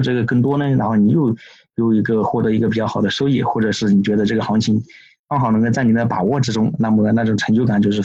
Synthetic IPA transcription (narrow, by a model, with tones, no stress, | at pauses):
ʈ͡ʂɤ˥˩ɡə˩kɤ˥˩ŋt̪wɔ˥nə˧ɻa˧˥nxo˥˩ʊni˨˩jo˥˧ʊ | jo˨˩ʊi˧˥ɡə˧xwɔ˥˩t̪ɤ˧˥i˧˥ɡə˧p̬i˨˩t͡ɕjɑ˥˩ʊxʊd̪ə˦ʂo˥ʊji˥˩xwɔ˥˩ʈ͡ʂɤ˨˩ʂɻ̩˥˩ni˨˩t͡ɕɥɛ˧˥d̪ə˧ʈ͡ʂɤ˥˩ɡə˩xɑ˧˥ŋt͡ɕʰi˧˥ŋ | fɑ˥ŋxɑ˨˩ʊ˧˥ŋ˧t͡sa˥˩ɪni˨˩d̪ə˦˧pa̰˨˩wɔ˥˩ʈ͡ʂɻ̩˥ʈ͡ʂʊ˥ŋna˥˩mə˨˩na˥˩ʈ͡ʂʊ˨˩ŋʈ͡ʂʰɤ˧˥ŋt͡ɕjo˥˧ʊka˨˩nt͡ɕjo˥˧ʊʂ̬ɻ̩˥˩